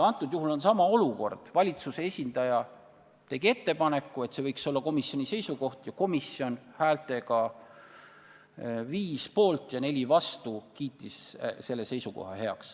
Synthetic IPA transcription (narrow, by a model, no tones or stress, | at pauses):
ɑnt̪ːˑud̪̥juɦulo̞nsɑmɑo̞luko̞rd̪̥vɑlʲit̪suse̞e̞sʲind̪̥ɑjɑ | t̪e̞ɡ̥ie̞t̪ːe̞pɑne̞kːˑue̞t̪se̞vɤjkso̞lːɑko̞misjo̞nʲise̞jsuko̞ht̪jɑko̞misjo̞nhæːlt̪e̞ɡɑ | viːspo̞ːlt̪ˑjɑne̞lʲivɑst̪ukiːt̪ˑːisse̞lːe̞se̞jsuko̞̰hɑhe̞ɑ̰ks